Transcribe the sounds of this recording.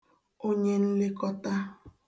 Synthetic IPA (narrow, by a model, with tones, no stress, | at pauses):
o˦ɲe˦n̩˦le˦kɔ˦ta˦